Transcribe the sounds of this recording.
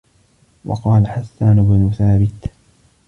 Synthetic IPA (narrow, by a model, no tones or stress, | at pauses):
wɑ̰qɑːlaħasːaːnʊbnʊθaːbɪt̪